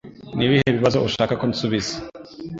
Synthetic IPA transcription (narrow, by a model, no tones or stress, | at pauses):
niβihe̞βiβazo̞ʔuʃaːkakonsuβiz̥e̥